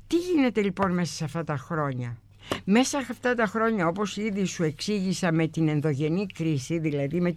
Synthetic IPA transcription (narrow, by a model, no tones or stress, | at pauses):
t̪iʝine̞t̪e̞lipo̞nme̞sɐ̥sɐft̪ɐt̪ɐxɾo̞ɲɐ | me̞sɐɐft̪ɐt̪ɐxɾo̞ɲɐo̞po̞siðisue̞ksiʝisɐme̞t̪ine̞nðo̞ʝe̞nikɾisiðilɐðime̞